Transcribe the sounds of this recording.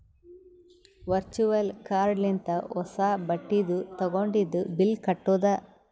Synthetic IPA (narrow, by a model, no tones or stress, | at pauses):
ʋɐɾt͡ʃuʋɐlkaːɾɖlint̪ɐɔsaːbɐʈːid̪ut̪ɐɡoɳɖid̪ːubilkɐʈːuːd̪ɐ